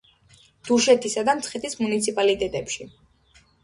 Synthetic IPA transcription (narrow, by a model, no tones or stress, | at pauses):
d̪̥uʃɛt̪ʰisad̪amt̪sʰχɛt̪ismunit̪sʰipʼalit̪ʼɛt̪ʼɛpʃi